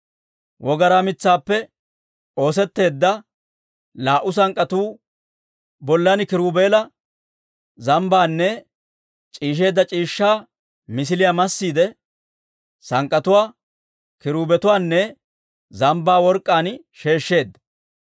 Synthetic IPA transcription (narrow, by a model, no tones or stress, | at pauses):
wʔɔɡɐɾaːmɪt͡sːaːpːɛ | o̞ːsɛt̪ːe̞ːd̪ːɐ | laːʔʊs̬ɐŋkʼːɐt̪uː | bɔlːɐnkɪɾuːbe̞ːlɐ | zɐmbaːnːɛ | t͡ʃʼiːʃ̬e̞ːd̪ːɐt͡ʃʼiːʃːaː | mɪs̬ɪlɪjamɐsːiːd̪ɛ | sɐŋkʼːɐt̪ʊwaː | kɪɾuːbɛt̪ʊwaːnːɛ | zɐmbaːwɔɾkʼːaːn | ʃe̞ːʃːe̞ːd̪ːɐ